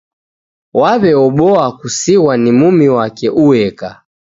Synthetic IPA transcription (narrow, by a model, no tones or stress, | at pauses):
waβɛɔɓɔakusiwanimumiwakɛʔuwɛka